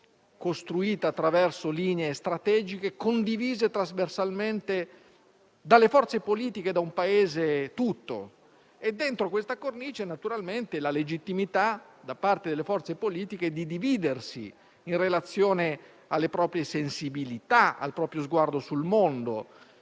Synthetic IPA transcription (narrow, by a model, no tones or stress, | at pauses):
kost̪ɾuiːt̪aːt̪ːɾavɛrsoliːneest̪ɾat̪ɛːd͡ʒikekond̪iviːzet̪ɾazversalment̪e | d̪alːefɔrt̪sepoliːt̪iked̪aumpaeːzet̪ut̪ːo̰ | ed̪ːent̪ɾokwest̪akornit͡ʃɛnat̪uɾalment̪elaled͡ʒit̪ːimit̪a | d̪apart̪ed̪elːefɔrt̪sepoliːt̪ik̟ed̪id̪iviːd̪ersḭ | inrelat̪sːjoːne | alːepɾɔːpɾjesensibilit̪aa̰lpɾɔːpɾjozɡward̪osulmond̪o